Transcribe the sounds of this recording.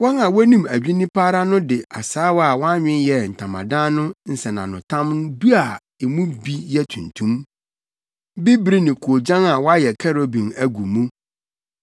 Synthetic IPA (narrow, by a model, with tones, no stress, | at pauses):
wɔ̃˦nã˨wɔ˦nĩ˦mæ˨ɥᶣi˦nĩ˦pʰaː˦ɾa˦nʊ̃˦dɪ˨a˨saː˦wa˨wɔ̃˦a˦ɲᶣɪ̃˦njɛ˨n̩˨tʰã˨mã̰˨dã˦nʊ̃˦n̩˨sɛ˨nã̰˨nʊ̃˨tʰã˦mnʊ̃˦bi˦a˨ | e˨mũ˦bi˦jɛ˦tʰũ˨ntʰũ˦m | bi˦bɾi˦nɪ̃˨kʰu˨o˨d͡ʑã˦na˨wɔ˦a˦jɛ˨kʰɛ˦ɾo˦bĩ˨næ˨ɡu˨mũ˦